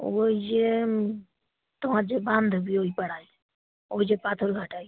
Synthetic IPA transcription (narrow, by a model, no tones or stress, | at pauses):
oid͡ʒe | t̪omaɾd͡ʒebãnd̪ʱobioipəɽ̤aj | oid͡ʒepat̪ʰoɾɡʱaʈaj